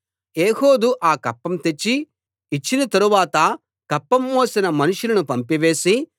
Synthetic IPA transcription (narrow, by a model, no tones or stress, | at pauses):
eːho̞ːd̪uʔaːkɐpːɐmt̪e̞t͡ʃːiː | t͡ʃːinɐt̪ɐɾuʋaːt̪ɐ | kɐpːɐmːoːsinɐmɐnuʂulɐnupɐmpiʋe̞ːsi